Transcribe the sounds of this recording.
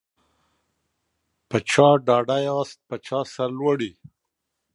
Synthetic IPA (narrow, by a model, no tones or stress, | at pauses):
pət͡ʃʰɑɖɑɖajɑst̪̚pət͡ʃɑsaɾlwəɽi